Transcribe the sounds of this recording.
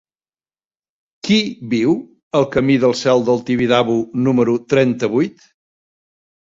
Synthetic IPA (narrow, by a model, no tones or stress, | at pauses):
kiβiw | əlˠkəmiðəlˠsɛlˠd̪əlˠt̪iβiðaβunuməɾut̪ɾɛnt̪əβujt̪